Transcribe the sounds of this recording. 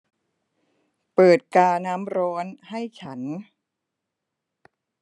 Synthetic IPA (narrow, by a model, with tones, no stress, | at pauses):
pɤː˨˩t̪̚kaː˧naː˦˥mɾɔː˦˥nha˥˩jt͡ɕʰa˦˥n